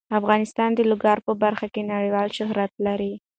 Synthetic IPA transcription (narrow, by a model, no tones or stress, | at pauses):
afɣɑnɪst̪ɑnd̪əlʊɡɑɾpəbaɾxakenaɽəjwɑlʃʊɦɾat̪laɾi